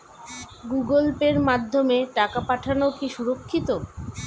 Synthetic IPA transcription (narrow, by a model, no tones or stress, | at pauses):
ɡuɡolpeɾmad̪ʱːomeʈakapaʈʰanokiʃuɾokʰːit̪o